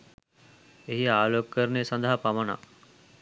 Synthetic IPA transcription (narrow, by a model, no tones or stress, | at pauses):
eɦiaːloːkkəɾnesɐnd̪əɦapamɐna̰